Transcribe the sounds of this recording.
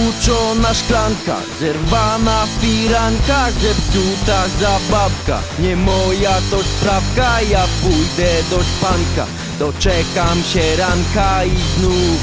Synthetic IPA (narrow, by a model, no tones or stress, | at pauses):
ut͡ʂɔnaʂklaŋka̰zɛɾvanafpiɾaŋkaʐɛpt̪ut̪azabapka̰ | ɲɛmɔjat̪ɔɕt̪ɾafkajapujd̪ɛd̪ɔɕpaŋka̰ | d̪ɔt͡ʂɛkamɕɛɾaŋkaiznu